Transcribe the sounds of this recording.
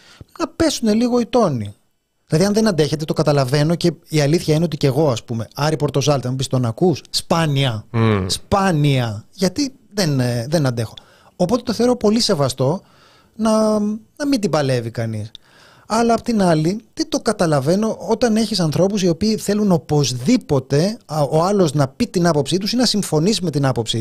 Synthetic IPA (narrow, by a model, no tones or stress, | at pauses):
nɐpe̞sune̞liɣo̞it̪o̞ni | ðilɐðiɐnðe̞nɐnd̪e̞çet̪e̞t̪o̞kɐt̪ɐlɐve̞no̞ce̞iɐliθçɐineo̞t̪ice̞ɣo̞ɐspume̞ɐɾipo̞ɾt̪o̞sɐlt̪ɐmubist̪onɐkusspɐniɐspɐniɐʝɐt̪i | ðenðe̞nɐnd̪e̞xo̞ | opot̪e̞t̪o̞θeoɾo̞po̞lise̞vɐst̪o̞ | nɐnɐmind̪ibɐle̞vikɐnis | ɐlɐːpot̪inɐlit̪it̪o̞kɐt̪ɐlɐve̞no̞ot̪ɐne̞çisɐnθɾo̞pusio̞piːθe̞luno̞po̞zðipo̞t̪e̞oɐlo̞znɐpit̪inɐpo̞psit̪usinɐsiɱfo̞nis̬ime̞t̪inɐpo̞psi